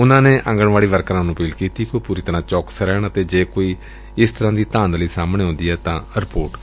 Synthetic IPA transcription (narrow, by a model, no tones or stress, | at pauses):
ʊnãːneːʔə̃ŋɡəɳʋaːɽiːʋəɾkɾãːnũːpiːlkiːt̪iːkoːpuːɾiːt̪əɾãːt͡ʃɔːksɾɛːɳət̪eːd͡ʒeːkoːiː | ɪst̪əɾãːd̪iːt̪ãːnləiːsaːmɳeːɦõːnd̪iːɦɛːt̪ãːɾɪpoːʈ